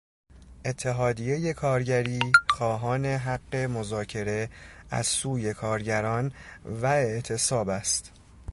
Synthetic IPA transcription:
ʔe̞t̪ʰːe̞ɦɒːd̪ije̞je̞kʰɒːɾɟæɾiːxɒːɦɒːne̞ɦæɢːe̞mo̞zɒːcʰe̞ɾe̞æ̰z̥suːje̞kʰɒːɾɟæɾɒːnvæe̞ʔt̪ʰe̞sɒːbæst̪

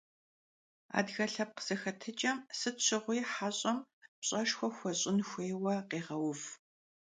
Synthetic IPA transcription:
a̰ːdɣɐɬɐp̚qə̥z̥ɐxɐtʰɨt͡ʃʼɐmsɨɕʰɪʁʷʊjħaːɕʼɐmpɕʼɐʃxʷɔxʷɔɕʼɪnxʷeːwɐqeːʁɐwʊv

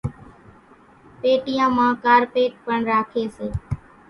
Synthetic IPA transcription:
peːʈɪjãːmãːkaːɾpeːʈ̚pəɳɾaːkʰeːseː

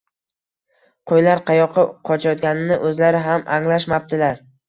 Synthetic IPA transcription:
qʰojlaɾqʰɑjɒqʰɨqʰɒt͡ʃʰajɒt̪̚ɡʲanɪnɪʔɵzlaɾɪɦamʔaŋlaʃmap̚t̪ɪlaɾ

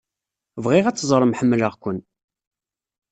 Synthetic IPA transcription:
vʁiʁæt͡sːzˤɾˤəmħəmːləʁkʷən

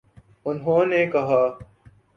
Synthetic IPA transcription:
ʊnɦõːneːkɐɦaː

